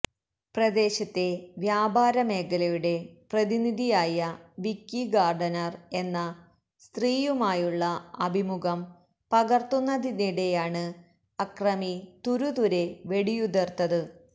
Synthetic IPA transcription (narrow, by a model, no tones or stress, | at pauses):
prɐd̪e̞ːɕɐt̪ːe̞ʋjaːbʱaːɾɐme̞ːkɐlɐjuɽe̞prɐðiniðijaːjɐʋikːiɡaːrɖɐnɐre̞nːɐ | st̪riːjumaːjuɭːɐɐbʱimuɣɐm | pɐɣɐrt̪unːɐðiniɽe̞jaːɳɨ | ɐkrɐmit̪uɾuðuɾe̞ʋe̞ɽijud̪ɐrt̪ːɐðɨ